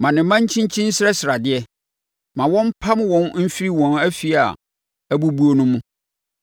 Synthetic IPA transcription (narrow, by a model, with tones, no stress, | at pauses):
mã˨nɪ̃˨˦mã˦ɲ˦t͡ɕʰĩ˦ɲ˦t͡ɕʰĩ˦n̩˦sɾɛ˦sɪ˨ɾa˨dɪ˦ɛ˦ | mã˨wɔ̃˦m̩˦pʰa˦m˦wɔ̃˦nm̩˦fi˦ɾi˦wɔ̃˨næ˦fi˦a̰˨ | æ˦bu˦bu˦o˦nʊ̃˦mũ˦